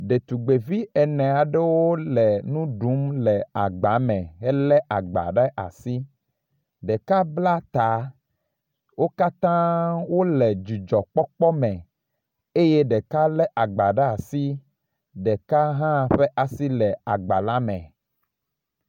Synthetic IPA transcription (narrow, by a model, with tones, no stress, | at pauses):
ɖe˨t̪u˨ɡ͡be˨vi˦ɛ˨nɛ̃˨a˨ɖe˦wo˦lɛ˨nũ˦ɖu˨˦mlɛ˨a˨ɡ͡ba˨˦mɛ̃˨ɦɛ˦lɛ˦ʔa˨ɡ͡ba̰˨ɖe˦ʔa̰˨si˦ | ɖe˨ka˦bla˦t̪a˨˦ | wo˦ka˦t̪ã˦wo˦lɛ˨d͡ʒi˨d͡ʒɔ˨k͡pɔ˦k͡pɔ˦mɛ̃˨ | e˦je˦ɖɛ˨ka˦lɛ˦ʔa˨ɡ͡ba˨ɖa˦a˨si˦ | ɖɛ˨ka˦ɦã˦˨ɸe˦ʔa˨si˦lɛ˨a˨ɡ͡ba̰˨la˦mɛ̰̃˨